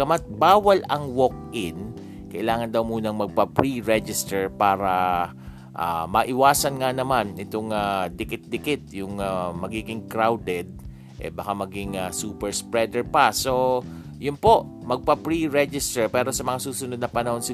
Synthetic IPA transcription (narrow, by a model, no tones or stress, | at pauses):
ɐmat̪̚baːwɐlɐŋwok̚ʔɪn | kɐʔɪlaːŋɐnd̪ɐwmuːnɐŋmɐɡ̚pɐpɹiɹɛd͡ʒɪst̪ɛɹpaːɾɐ | ʔa̰mɐʔɪwaːsɐnŋanɐmanɪt̪oŋad̪ɪkɪt̪̚d̪ɪkɪt̪̚jʊŋamɐɡiːɡɪŋkɾawd̪ɛd̪̚ | ʔɛ̰bɐkamɐɡɪŋasuːpɛɹspɹɛd̪ɛɹpɐso̞ | jʊnpo̞ʔ | mɐɡ̚pɐpɹiɹɛd͡ʒɪst̪ɛɹpɛːɾosɐmɐŋasuːsʊnod̪nɐpɐnɐho̞nsɪ